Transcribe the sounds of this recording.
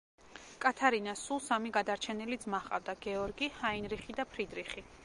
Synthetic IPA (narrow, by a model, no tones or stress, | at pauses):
kʼat̪ʰaɾinasulˠsamiɡad̪aɾt͡ʃʰɛnilid̪zmaχʼa̰vd̪aɡɛɔɾɡihainɾiχid̪apʰɾid̪ɾiχi